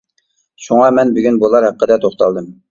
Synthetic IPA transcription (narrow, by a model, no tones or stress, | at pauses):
ʃuŋɑmɛnbyɡʲynbolˠɑɾhæqːəd̪ɛt̪ʰoχt̪ɑ̰lˠd̪ɨm